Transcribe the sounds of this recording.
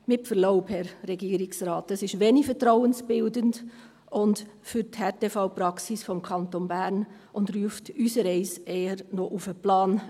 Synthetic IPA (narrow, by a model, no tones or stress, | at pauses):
mɪpfəɾloʊphɛɾɾɛɡiːəɾɪksɾɑːtɛsɪʃʋeːnɪfətɾaʊənsb̥ɪldənd | ʊndfʏɾthɛtefaʊpɾɑksɪsfɔmkʰɑntonbæɾn | ʊndryəftysəɾɛɪseːəɾnoʔufəplɑːn